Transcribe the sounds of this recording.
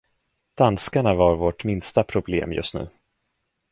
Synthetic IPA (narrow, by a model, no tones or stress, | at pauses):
d̪̥anskaɳavaɾvoːʈmɪnst̪apʰɾʊblḛːmjɵ̰st̪nʉ̟̰ː